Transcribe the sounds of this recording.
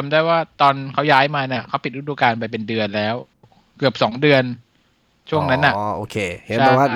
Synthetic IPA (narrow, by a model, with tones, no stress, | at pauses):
a˩˦mdaː˥˩jwaː˥˩t̪ɔː˧nkʰa˦˥wjaː˦˥jmaː˧na˦˥˩kʰa˦˥wpi˨˩ɾ̚duː˧kaː˧np̬a˧jp̬e˧ndɯ˧ənlɛː˦˥w | kɯ˨˩əp̚sɔː˩˦ŋdɯ˧ən | t͡ɕʰu˥˩əŋna˦˥nʔa˨˩ʔʔoː˧˩kʰeː˧he˩˦˥waː˥˩